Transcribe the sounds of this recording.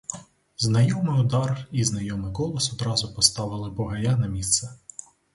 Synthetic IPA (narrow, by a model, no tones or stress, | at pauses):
znɐjɔmɪʊd̪ɑriznɐjɔmɪkɔlˠɔsɔd̪ɾɑzʊpɔst̪ɑʋɪlˠɪbɔɦɐjanɐmʲist̪sɛ